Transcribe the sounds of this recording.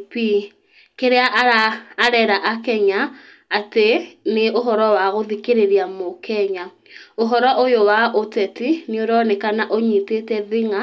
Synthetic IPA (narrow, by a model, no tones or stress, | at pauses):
pi | keɾeaʔaɾaːɾɛɾaʔakɛɲaː | teneʔoɦɔɾɔwaɣoðikeɾeɾiamokɛɲa | oɦɔɾɔʔojowaʔotɛtineoɾɔnekanaʔoɲitetɛðiŋa